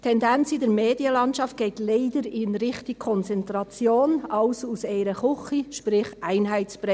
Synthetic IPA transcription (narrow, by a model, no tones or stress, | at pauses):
tʰɛndɛnt͡sɪdɛɾmeːdjəlɑntʃɑft̚ɡ̥eːtleɪdəɾɪnɾɪχtɪkʰːɔnt͡sɛntɾɑt͡sjoːnɑʊsuseɪɾəχʊχiʃpɾɪχʔaɪnɦæɪt͡spɾɛ